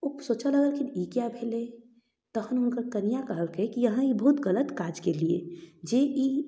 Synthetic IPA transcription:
upsoːt͡ʃaləɡəɾkʰinikjabʱele | t̪əɦənʊnkəɾkənijakəɦəlkeekijəɦə̃ibəɦut̪ɡələt̪kad͡ʒkeliḛd͡ʒeʔi

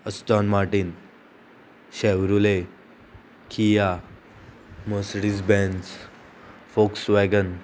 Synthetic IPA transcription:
əsʈ̪ɔnmaɾʈin | ɕɛʋɾule | kʰija | məsɽid͡zbɛnd͡z | foksʋɛɡən

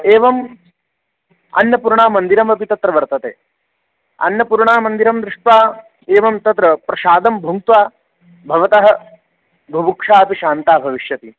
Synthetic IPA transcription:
eːʋɐm | ɐ̰nːɐpuɾɳaːmɐnd̪iɾɐmɐpit̪ɐt̪ɾɐʋɐɾt̪ɐt̪ḛː | ɐ̰njɐpuɾɳaːmɐnd̪iɾɐmd̪ɾɪʂʈʋaː | eːʋɐmt̪ɐt̪ɾɐpɾɐʃaːd̪ɐmbʱuŋt̪ʋaː | bʱɐʋɐt̪ɐɦɐ | bʱubukʂaːɐpiʃaːnt̪aːbʱɐʋiʃjɐt̪i

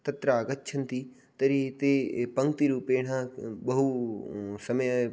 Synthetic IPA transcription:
t̪ɐt̪ɾaːɡətːt͡ʃʰənt̪i | t̪ɐɾit̪epɐ̃ŋɡ̚t̪iɾuːpeːɽ̤ãːɓɐɦu | sɐməj

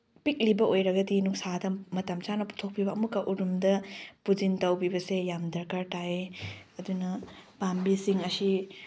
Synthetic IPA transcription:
pik̚libɐʔojɾɐɡɐdinuksadɐmɐtɐmt͡ʃanɐpu̥tʰok̚pʰibɐːɐmukːɐʔuɾumdɐpud͡ʒintɐwbibɐsejamdɐɾkaɾtaeɐdunɐpambisiŋɐsi

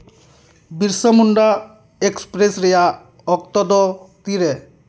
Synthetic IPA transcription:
biɾsəmuɳɖa | ekspɾesɾɛja | ɔk̚t̪ɔd̪ɔt̪iɾɛ

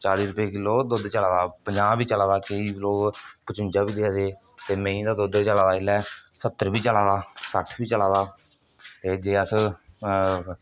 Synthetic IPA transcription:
t͡ʃaːɾiːɾʊpeːkɪlːoːd̪ʊd̪t͡ʃəlaːd̪aːpəɲd͡ʒaːbiːt͡ʃəlaːd̪aːkəiːloːkpət͡ʃʊ̃nt͡ʃaːbiːd̪ead̪eː | t̪eːmɛ̃ĩːd̪aːd̪ʊd̪t͡ʃəlaːd̪aːɪlɛːsət̪ːəɾbiːt͡ʃəlaːd̪aːsəʈʰbiːt͡ʃəlaːd̪aː | t̪eːd͡ʒeːəs

